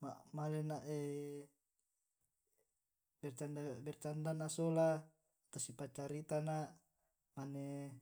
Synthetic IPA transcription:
mamalenaʔe | bɛrt͡ʃandabɛrt͡ʃandanasola | t̪asipat͡ʃaɾit̪anaʔ | mane

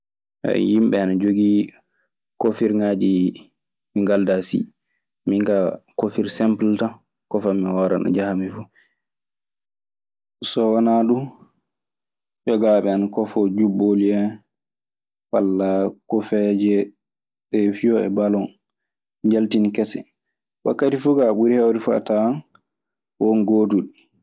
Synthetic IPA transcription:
ɛ̰jimɓɛanad͡ʒoɡi | kofiɾŋad͡ʒi | miŋɡaldasḭ | miŋkakofiɾsɛmplta | kɔfamiwɔɾa̰na̰d͡ʒahamifu | sɔwanaɗu | ʔɔɡaɓɛanakɔfɔd͡ʒuboliɛ | walːakɔfɛd͡ʒɛ | ɗɛfijɔɛ̰balɔn | d͡ʒaltinikɛsɛ̰ | wa̰kːatifuɡaɓuɾihɛwɾifa̰tan | wɔnɡoːduɗi

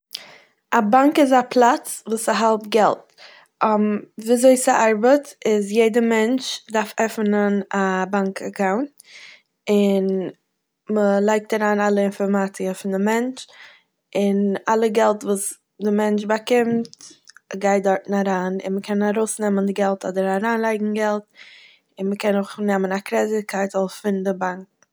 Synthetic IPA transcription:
abaŋkɪzapʰlˠat͡svuːsaɦɛlˠtɡɛlˠt | ɔmviːazoɪsaʔaɾbətɪzjeɪdəmɛnt͡ʃdaɾfɛfnənabaŋkʰakʰaʊnt | ɪn | məlˠaɪk̚taɾaːnalˠəɪnfɔɾmat͡sɪəfɪndɪmɛnt͡ʃ | ɪnalˠəɡɛlˠtvuːs | dɪmɛnt͡ʃbakɪmtɡaɪt̚dɔɾtn̩aɾaːnɪ̰nməkʰɛnaɾoʊsnɛməndɪɡɛlˠtɔdəɾaɾaːnlˠaɪɡŋ̩ɡɛlˠt̚ | ɪnməkɛnʊχnɛmənakɾɛzɪkʰaɪtɔsfɪndɪbaŋk̚

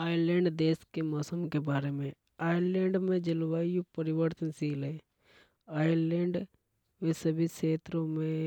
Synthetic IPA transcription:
aːjəlẽːɳɖd̪eːskemɔːsəmkebaːɾemẽ | aːjəɾlẽːɳɖmẽd͡ʒɪlʋaːijũpəɾɪʋəɾt̪ənsiːleː | aːjəɾlẽːɳɖ | mẽsəbʱiseːt̪ɾõmẽ

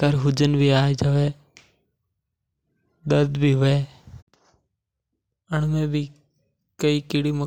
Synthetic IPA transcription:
kəɾɦʊd͡ʒənbʱiːaːed͡ʒəʋeː | ɗ̪əɾd̪bʱiːʋeː | əɳmẽːbʱi | kəiːkɪɽiːmə

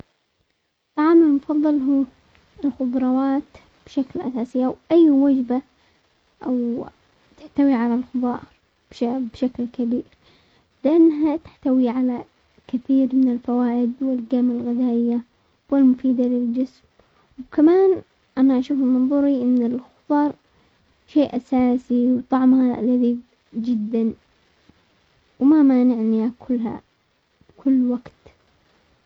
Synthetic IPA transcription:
t̪ːaʕaːmɪlmʊfɑðˤːɑlɦuː | ɪlxʊb̪ˤɾˤɑwaːt̪ | b̥ʃaklʔa̰saːsɪjːawʔajːwad͡ʒba | ʔaw | t̪ɪħt̪awiʕalalxʊbˤɑːɾˤ | b̥ʃabʃaklkabiːɾ | lɪʔanːɦat̪ɪ̥ħt̪awiʕala | kaθiːɾmɪnɪlfawaːʔɪd̪wɪlɡamalɣɪd̪aːʔɪjːa | wɪlmʊfiːd̪alɪld͡ʒɪsm | wkamaːn | ʔanaʔaʃuːfɪlmɑnðˤuːɾiʔɪnːɪlxʊt̪ˤɑːɾˤ | ʃeːʔasaːsiwt̪ˤɑʕmhalaðiːb | d͡ʒɪd̪ːan | wmamaːnɪʕniakʰʊlːɦa̰ | bkʰʊlːwaɡt̪

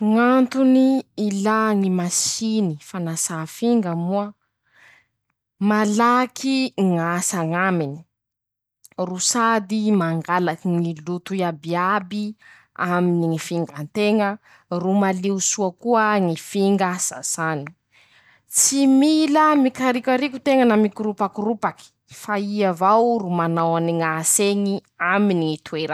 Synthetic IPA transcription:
ŋant̪uniːlaŋimasinifanasafiŋɡəmuə | malakʰiŋasaŋamini̥ | rusad̪imaŋɡalakiŋilut̪uiabiabi | aminiŋifiŋɡant̪eŋə | rumaliusuakuəŋifiŋɡasa̰sani̥ | t͡similəmikaɾikʲaɾiku̥t̪eŋənamikuɾupakirupaki̥ | faiavawrumanawaniŋaseŋiaminiŋit̪ueɾa

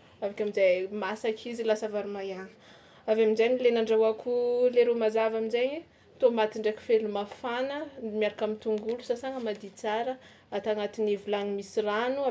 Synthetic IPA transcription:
avakʲamizajmasakʰizilasavaɾumajanə̥ | avaminzanilenaɳɖ͡ʐawakʰuleɾumazavaminzajɲ | t̪omat̪iɳɖ͡ʐeki̥felumafanəmiaɾakamint̪uŋɡulusasaŋəmad̪it͡saɾə | at̪aŋat̪inivulaŋimisiranua

